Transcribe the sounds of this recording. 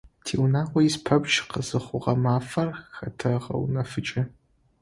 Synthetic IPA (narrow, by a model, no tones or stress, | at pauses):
tʰiːwnaːqʷɔjɪspʰɐbʒqəzɨχʷʊʁɐmaːfɐrxɐtʰɐʁɐ̰wnɐfɨt͡ʃʼɪ